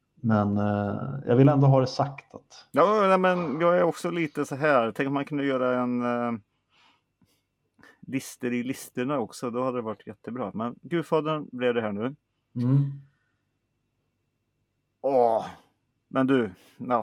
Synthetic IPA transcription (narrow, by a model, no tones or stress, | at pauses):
mɛnjɑ̰ːɡvɪlɛnd̪oɦɑːd̪ɛsakt̪ʰat̪jɑːnæmɛnjɑːɡæɾɔksɔliːt̪əsɔɦæːɾt̪ʰɛŋk̪mankʰɵnd̪əjœːɾaɛn | lɪst̪əɾɪlɪst̪əɳaɔksɔd̪ɔhad̪əd̪ɛvaʈʰːjɛt̪ʰːəbɾɑ̰ːmɛnɡʉːfɑːd̪əɳblɛvd̪ɛɦæːɳʉː | m̩ː | ɔ | mʔɛnd̪ɵ | na